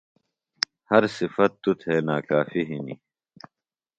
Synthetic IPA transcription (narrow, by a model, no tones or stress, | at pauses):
hɐɾsifɐt̪ːut̪ʰeːnaːkaːfiɦinḭ